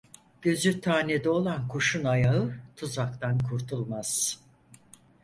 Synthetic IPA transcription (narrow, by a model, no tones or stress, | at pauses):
ɟ̥ø̞zyt̪ʰaːned̪ɛo̞lˠankʰuʃunajaɯt̪ʰuzakt̪ʰankʰuɾt̪ʰulˠmaz̥